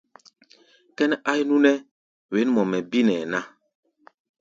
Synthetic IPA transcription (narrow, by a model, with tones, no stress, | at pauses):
kɛ˦nɛ˦ʔa˦jnũ˦nɛ˦ | we˨˦nmɔ˨mɛ˨bi˦nɛ˨nã˦˨